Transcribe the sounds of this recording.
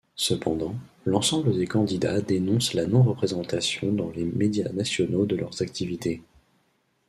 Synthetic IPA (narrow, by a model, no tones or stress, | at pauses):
səpɑ̃d̪ɑ̃ | lɑ̃sɑ̃bləd̪ekɑ̃d̪id̪a̰d̪enɔ̃slanɔ̃ʁəpχezɑ̃t̪asjɔ̃d̪ɑ̃lemed̪janasjɔnod̪əlœʁzakt̪ʰivit̪e